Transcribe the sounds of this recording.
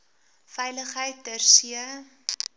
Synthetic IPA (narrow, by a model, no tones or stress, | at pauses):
fɛjləχɦəjt̚dərsiə